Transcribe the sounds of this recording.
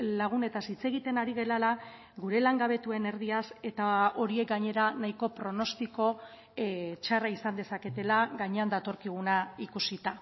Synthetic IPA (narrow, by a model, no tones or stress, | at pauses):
laɣ̞une̞t̪asit͡se̞ɣ̞it̪e̞naɾiɣe̞lala | ɡuɾe̞laŋɡaβ̞e̞t̪ue̞ne̞ɾð̞iase̞t̪ao̞ɾie̞k̚ɡaɲe̞ɾanaiko̞pɾo̞no̞st̪iko̞ | t͡ʃaraisand̪e̞sake̞t̪e̞laɡaɲeand̪at̪o̞ɾkiɣ̞unaikusit̪a